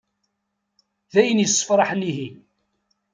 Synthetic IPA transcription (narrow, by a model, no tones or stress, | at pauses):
ðæjənjəsˤːə̥fɾˤɑħəniɦi